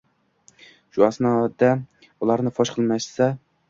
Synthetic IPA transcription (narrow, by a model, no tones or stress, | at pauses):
ʃʊasnɒd̪a | ʊlˠaɾnɪfɒʃqʰɨlˠmaʃsa